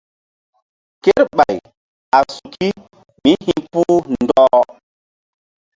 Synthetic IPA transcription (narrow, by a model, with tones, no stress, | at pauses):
ke˦ɾɓa˨j | a˨su˨ki˦ | mi˦hi˦pu˦ndɔ˦